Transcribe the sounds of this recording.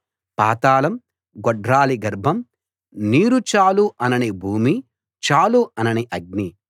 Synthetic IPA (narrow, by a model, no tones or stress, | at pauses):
paːt̪aːlɐm | ɡɔɖɾaːliɡɐɾbʱɐm | niːɾut͡ʃaːluʔɐnɐnibʱuːmi | t͡ʃaːluɐnɐniʔɐɡ̚ni